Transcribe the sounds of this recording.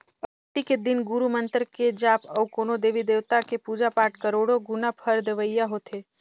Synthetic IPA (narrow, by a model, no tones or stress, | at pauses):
pə | t̪iked̪ɪnɡuɾumə̃nt̪əɾked͡ʒaːpəukoːnod̪eːʋid̪eːʋt̪akepuːd͡ʒapaːʈkəɾoːɽoɡunapʰəɾd̪eʋəjːaɦoːt̪ʰeː